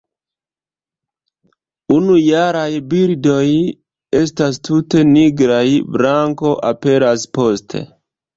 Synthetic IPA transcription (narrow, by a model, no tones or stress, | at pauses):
unujaɾajbiɾdo̞j | estastʰute̞niɡɾajbɾaŋko̞ʔape̞ɾaspo̞stʰe̞̰